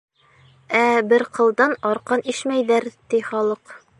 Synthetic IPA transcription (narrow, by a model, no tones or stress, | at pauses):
æbɘɾqʰɤ̆lˠd̪ɑnɒɾqɑniʃmæjðæɾt̪iχɑlˠɤq